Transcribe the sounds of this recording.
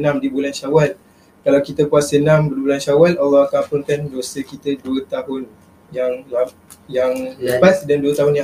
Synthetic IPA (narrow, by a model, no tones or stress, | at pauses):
nãmdibulanʃawal | kalawkit̪əkuasənãmbədbulanʃawalalːɔhakapʊnkandosəkit̪əduət̪aɦʊn | jaŋla | jaŋləpasdanduət̪aɦʊnja